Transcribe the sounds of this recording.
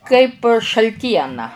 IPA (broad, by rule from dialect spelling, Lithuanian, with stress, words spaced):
kɐɪp ʃɐlʲˈtʲiɛnɐ